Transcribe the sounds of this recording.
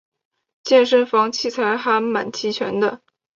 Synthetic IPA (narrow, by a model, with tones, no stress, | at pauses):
t͡ɕjɛ˥˩nʂə˥nfɑ˧˥ŋt͡ɕʰi˥˩t͡sʰa˧˥ɪxa˧˥ma̰˨˩nt͡ɕʰi˧˥t͡ɕʰɥɛ̰˧˥nd̪ə˧